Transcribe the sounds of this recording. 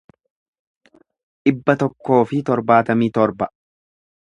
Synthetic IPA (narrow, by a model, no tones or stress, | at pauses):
ᶑɪbːɐt̪ɔkːo̞ːfɪt̪ɔɾbaːt̪ɐmiːt̪ɔɾbɐ